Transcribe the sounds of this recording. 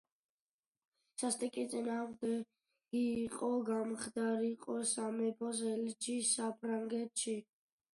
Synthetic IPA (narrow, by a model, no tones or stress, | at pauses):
sast̪ʼɛkʼit̪sʼinaːmd̪ɛ | ɡiːqʼɔɡamχd̪aɾiqʼɔsamɛpʰɔzɛlid͡ʒisapʰɾaŋɡɛt̪ʃi